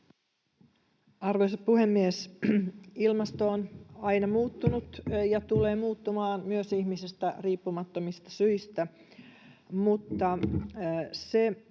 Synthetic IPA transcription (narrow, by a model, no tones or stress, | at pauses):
ɑrʋojsɑt̪puhemːies | ilmɑst̪oːnɑjnɑmuːt̪ːunut̪jɑt̪ule̞ːmuːt̪ːumɑːnmyøsihmisist̪æriːpːumɑt̪ːomist̪ɑ̥syjst̪æ | mut̪ːɑ | se̞